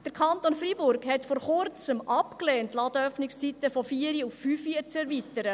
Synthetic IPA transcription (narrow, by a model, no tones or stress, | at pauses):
d̥əɾkʰɑnt̪onfɾibʊɾɡhɛtfɔɾχʊɾt͡səmʔɑpkleːntlɑdəœfnɪkst͡sitəfɔfiːəɾiufːyːfiət͡sɛɾvitəɾə